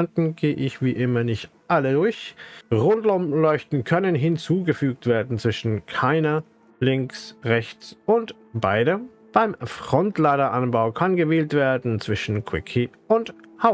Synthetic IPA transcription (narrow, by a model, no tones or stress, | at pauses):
ntn̩ɡ̥eːʔɪçv̥iːʔɪmɐnɪçtʔalədʊɐçʁʊntlʊmlɔʏçtn̩kʰœnənɦɪnt͡suːɡəfyːk̚tv̥eːɐdn̩t͡sv̥ɪʃn̩kʰaɪnɐ | lɪŋksʁɛçt͡sʊnt | b̥aɪdə | b̥aɪmfʁ̥ɔntlaːdɐʔanbaʊkʰanɡəveːltv̥eːɐdn̩t͡sv̥ɪʃn̩kʰw̥ɪkʰipʔʊnthaʊ